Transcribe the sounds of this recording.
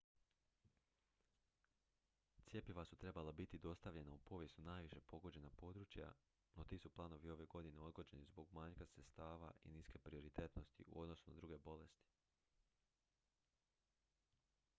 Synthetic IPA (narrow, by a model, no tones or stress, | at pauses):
t̪sje̞piʋasut̪ɾe̞balabit̪id̪o̞st̪aʋʎe̞naupo̞ʋje̞st̪unaːjʋiʃe̞po̞ɡo̞d͡ʑe̞napo̞ːd̪ɾut͡ʃja̰ | no̞t̪iːsuplˠaːno̞ʋio̞ʋe̞ɡo̞d̪ine̞o̞d̪ɡo̞d͡ʑe̞nizbo̞ɡmaɲkasɾet̪st̪aːʋa̰ʔḭniske̞pɾio̞ɾit̪e̞t̪no̞st̪ḭʔṵʔo̞d̪no̞sunad̪ɾuɡe̞bo̞le̞st̪i̥